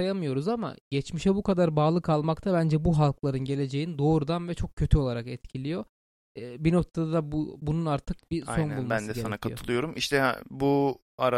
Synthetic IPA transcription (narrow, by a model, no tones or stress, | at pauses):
ajamɯjo̞ɾuzama̰ɟɛt͡ʃmiʃɛbukʰad̪aɾbaːlˠɯkʰalˠmakt̪ʰaβænd͡ʒɛbuɦalˠklˠaɾɯnɟe̞lʲe̞d͡ʒe̞jind̪o̞ːɾud̪anvɛt͡ʃʰo̞k̚cʰːø̞t̪ʰyo̞lˠaɾakɛt̪cʰilʲijo̞ː | bino̞k̚t̪ʰad̪ad̪abbununaɾt̪ʰɯk̚biso̞nbulmbansd̪ɛsɛanakʰajoɯlˠɯjo̞ɾumʔiʃt̪ʰɛ̰bu | aɾ